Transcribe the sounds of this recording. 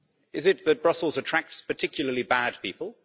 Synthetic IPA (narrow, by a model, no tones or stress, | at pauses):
ɪzɪt̪̚ðət̚b̥ɹʌsl̩ˠzətʰɹ̥æk̚tspətʰɪkʰjl̩ˠəlibæd̚piˑpəlˠ